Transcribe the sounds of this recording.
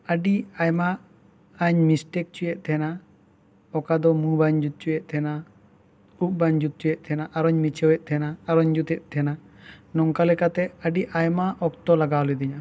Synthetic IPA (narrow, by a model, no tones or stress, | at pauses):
əɖiajmaː | ɲmisʈɛk̚t͡ʃujɛʔ̚t̪ʰɛna | ɔkad̪ɔmubaɲd͡ʒut̪̚t͡ʃujɛʔ̚t̪ʰɛna | up̚baɲd͡ʒut̪̚t͡ʃujɛʔ̪̚t̪ʰɛnaʔaɾɔɲmit͡ʃʰɛwɛʔ̚t̪ʰɛnaːɾɔɲd͡ʒut̪ɛʔ̪̚ˀt̪ʰɛna | nɔŋkalɛkat̪ɛəɖiʔajmaʔɔkt̪ɔlaɡawlɛd̪iɲa